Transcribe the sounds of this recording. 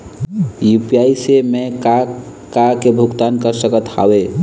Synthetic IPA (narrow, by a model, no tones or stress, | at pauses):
jupijaisemeka | kakebʱukt̪ankəɾsəkət̪ha̰we